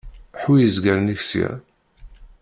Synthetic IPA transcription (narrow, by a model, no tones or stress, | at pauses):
ħwijəzɡæɾniçsæ̰ɾ